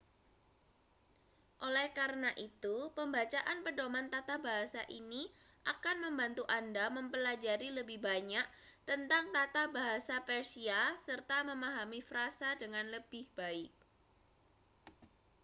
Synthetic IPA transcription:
ʔolɛhkaɾənaʔit̪upəmbat͡ʃaʔanpədomant̪at̪abaɦasa̰ʔini | ʔakanməmbant̪uʔandaməmpəlad͡ʒaɾiləbɪhbaɲak̚t̪ənt̪aŋt̪at̪abaɦasapɛrsiasərt̪aməmaɦamifɾasadəŋanləb̥ɪhb̥aɪk̚

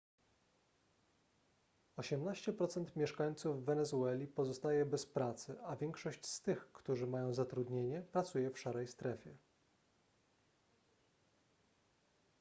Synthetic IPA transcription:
ɔɕɛmnaɕt͡ɕɛpɾɔt̪sɛnt̪mʲjɛʂkaɲt̪suvːɛnɛzuɛlʲipɔzɔst̪ajɛbɛspɾat̪sɘavʲjɛŋkʂɔɕt͡ɕst̪ɘxkt̪uʐɘmajɔ̃w̃zat̪ɾud̪ɲeɲɛpɾat̪sujɛfʂaɾɛjst̪ɾɛfʲjɛ

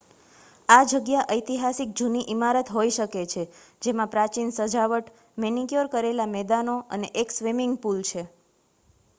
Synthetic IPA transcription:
ad͡ʒəɡjaʔəjt̪iɦasik̚d͡ʒuniʔimaɾət̪ɦojʃəket͡ʃʰe | d͡ʒemãpɾat͡ʃinsəd͡ʒaʋəʈ | menikjoɾkəɾelamɛd̪anoəneʔeksʋimɪŋɡpult͡ʃʰe

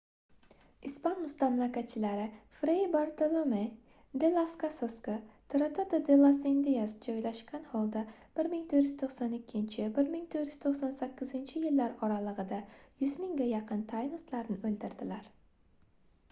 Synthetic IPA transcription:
ispanmʊst̪amlˠakʲat̪̚t͡ʃʰɪlaɾɪfɾebaɾt̪olˠome | d̪elˠaskasaskat̪ʰɾat̪ʰat̪ad̪elˠasend̪ijasd͡ʒɒjlaʃkʲanhɒlˠd̪ab̥ɪɾmɪŋt̪ʰoɾjyzt̪ʰoχsanɪkʲʰːɪnt͡ʃʰɪbɪɾmɪŋt̪ʰoɾjy̥z̥t̪ʰoχsansakʲːɪzɪnt͡ʃʰɪjɪlːaɾɒɾalˠɨʁɨd̪ajʊzmɪŋɡʲajɑqʰɨnt̪ʰajnɪst̪laɾnɪɵld̪ɪɾd̪ɪlaɾ

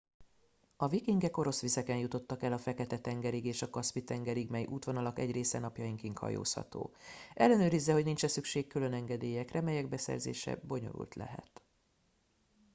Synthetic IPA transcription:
ɒvikiŋɡɛko̞ɾo̞sʋizɛkɛnjut̪o̞t̪ːɒkɛlɒfɛkɛt̪ɛt̪ɛŋɡɛɾiɡeːʃɒkɒspit̪ɛŋɡɛɾiɡmɛjʔuːt̪ʋo̞nɒlɒkɛɟreːsɛnɒpjɒjiŋkiːŋkhɒ̰jo̰ːshɒ̰t̪o̰ːʔɛlːɛnøːɾizːɛho̞ɟnint͡ʃɛsykʃeːkkylø̞nɛŋɡɛd̪eːjɛkrɛmɛjɛɡbɛsɛ̰rzḛːʃɛ̰bo̞ɲo̞̰ɾṵlt̪lɛ̰ɦɛ̰t̪

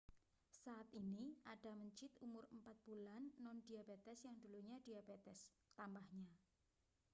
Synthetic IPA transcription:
saːt̪iniaɖ̥a̤məɲt͡ʃɪt̪umʊɾəmpat̪̚b̥ulanːɔndiabet̪ɛsjaŋd̪̥uluɲad̥iabet̪ɛs | t̪ambahɲa

